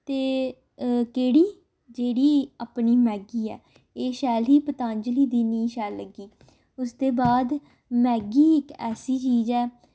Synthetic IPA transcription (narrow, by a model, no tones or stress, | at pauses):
t̪eː | keːɽiː | d͡ʒeːɽiːapniːmɛːɡiːɛ̰ː | eːʃɛːlɦiːpət̪ãːɲd͡ʒliːd̪iːniːʃɛːlːəɡiː | ʊsd̪eːbaːd̪ | mɛːɡiːɪkɛːsiːt͡ʃiːzɛː